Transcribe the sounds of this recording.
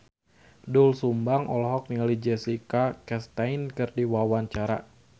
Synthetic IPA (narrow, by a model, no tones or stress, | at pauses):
dulsumbaŋʔɔlɔɦɔk̚niŋalid͡ʒɛsikakɛst̪ainkɨrdiwawaɲt͡ʃaɾa̰